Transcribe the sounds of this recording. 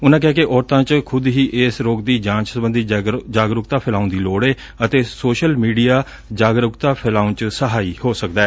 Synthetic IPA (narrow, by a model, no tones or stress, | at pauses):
ʊnãːkɪɦaːkeʔɔːɾt̪ãːt͡ʃkʰʊd̪ɦiːʔeːsɾoːɡd̪iːd͡ʒãːt͡ʃsəbə̃nd̪iːd͡ʒaːɡɾʊkt̪aːpʰɪlaːũnd̪iːloːɽeː | ət̪eːsoːʃəlmiːɖijaː | d͡ʒaːɡɾʊkt̪aːpʰɪlaːũnt͡ʃsəɦaːiːhoːsək̚d̪aɛː